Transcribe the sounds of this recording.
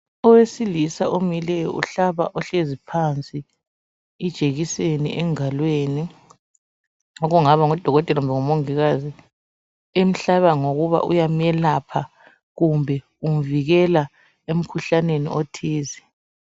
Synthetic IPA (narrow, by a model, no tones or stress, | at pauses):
ɔwesilisaʔomilɛjɔ̰ʔṵɬaβa̰ʔɔɬezipʰant͡sʼi | id̥ʒ̥ʱeɣisenḭʔɛŋalweːni | ŋɔɣuŋaβaŋɔd̥ʱɔɣɔtʼɛlaumbɛŋɔmoŋiɣazi | em̩ɬaβaŋoɣuβa̰ʔṵjamɛlapʰa | ɣumbʱɛ | um̩viɣɛla | em̩kʰuɬanenḭʔotʰiːzi